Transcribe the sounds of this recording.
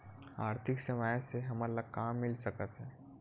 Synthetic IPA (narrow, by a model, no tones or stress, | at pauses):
aːɾt̪ʰɪksəmaːjseɦɐməlːəɡ̚kaːmːɪlsəkət̪ɦɛ̃ː